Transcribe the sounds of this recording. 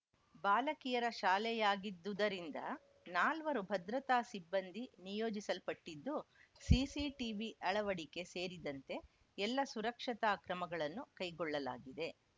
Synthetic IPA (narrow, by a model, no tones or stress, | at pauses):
baːlɐkijɐɾɐʃaːlɛjaːɡid̪ːud̪ɐɾind̪ɐ̰ | naːlʋɐɾubʱɐd̪ɾɐt̪aːsibːɐnd̪ʱinijoːd͡ʒisɐlpɐʈːid̪ːusiːsiʈiʋiʔɐɭɐʋɐɽike̞se̞ːɾid̪ɐnt̪e̞ | ɛlːɐsuɾɐkʂɐt̪aːkɾɐmɐɡɐɭɐnːukɐjɡɔɭːɐla̰ːɡid̪e̞